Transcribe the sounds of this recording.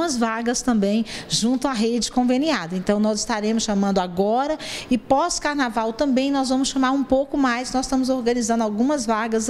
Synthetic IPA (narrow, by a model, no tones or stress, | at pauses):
mɐzvaɡɐst̪ɐ̃mbẽj̃ʒũt̪ʊaɦed͡ʒɪkõveniad̪ɐẽnt̪ɐ̃w̃nɔzɪst̪aɾẽmʊsʃamɐ̃nd̪ʊaɡɔɾɐɪpɔskaɾnavawt̪ɐ̃mbẽj̃nɔzvɐ̃mʊsʃɐ̃maɾũpowkʊmajsnɔzst̪ɐ̃mʊzoɾɡɐ̃nizɐ̃nd̪awɡũmɐzvaɡɐs